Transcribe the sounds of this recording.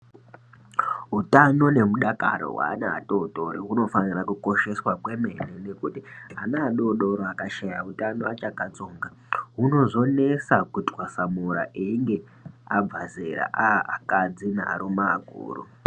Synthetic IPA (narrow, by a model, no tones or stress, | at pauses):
ɦutano̞ne̞muɗaka̰ɾo̰wa̰ːna̰ːɗoɗoɾiɦuno̞fanirakuko̞ʃe̞swakwe̞me̞nene̞kutianaːɗoɗo̞ɾoakaʃajautanoat͡ʃakat͡so̞ːŋɡa | ɦuno̞ʐo̞ne̞sakutwasamuɾa̰ʔeiŋɡe̞ | ab͡vazeɾa̰ʔaakad͡zina̰ɾumaɡʱṵːrṵ